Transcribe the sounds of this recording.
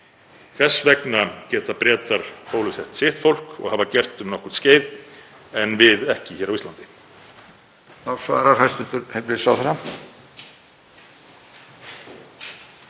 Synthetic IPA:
θɛsːvɛknacɛːt̪apɾɛːt̪aɾ̥howlʏsɛht̪sɪht̪fowl̥kɔ̰ɣhavacɛr̥t̪ʏmnɔhkʏ̥ɾ̥t̪sceːjð | ɛnvɪðɛhcɪçɛːɾawist̪lant̪ɪ̥ | nawsva̰ɛɾaɾhast̪ʏnt̪ʏɾhekɾɪsaːwθɛɾa

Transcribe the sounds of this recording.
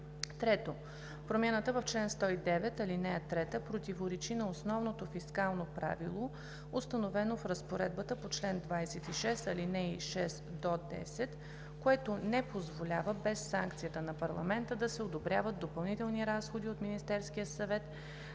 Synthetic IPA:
t̪ɾɛt̪o | pɾomʲanət̪əvəft͡ʃlɛnst̪ɔid̪ɛvɛt̪ɐlinɛət̪ɾɛt̪əpɾot̪ivoɾɛt͡ʃinɐosnɔvnot̪ofiskalˠnopɾa̰vḭlˠo | ost̪ɐnovɛnofɾəspoɾɛd̪̚bət̪əpot͡ʃlɛnd̪vajsɛt̪iʃɛst̪ɐlinɛiʃɛst̪d̪od̪ɛ̰sɛt̪ | koɛt̪onɛpozvolʲavəbɛsːaŋkt̪sijət̪ənɐpɐɾlˠɐ̰mɛnt̪əd̪ɐsɛod̪obɾʲavəd̪d̪opɐlˠnit̪ɛlˠniɾasxod̪iot̪minist̪ɛɾskijəsɐvɛt̪

